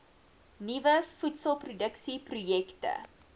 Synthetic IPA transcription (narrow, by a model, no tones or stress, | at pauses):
nivəfutsəlˠprudəksiprujɛktə̰